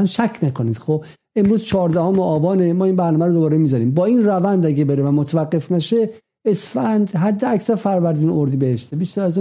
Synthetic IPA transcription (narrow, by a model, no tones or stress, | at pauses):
ænʃækʰnækʰoniːd̪̥xob | e̞mɾuːzt͡ʃʰɒːɾd̪æhomeɒːbɒːnemɒːiːnbæɾnɒːmæɾod̪obɒːɾemizɒɾiːmbɒːinrævænd̪æɟebeɾevæmot̪ʰævæɡːefnæʃe | esfænd̪ɦæd̪ːeæcsæɾfæɾvæɾd̪iːnoɾd̪iːbeheʃt̪ebiʃt̪æɾæzu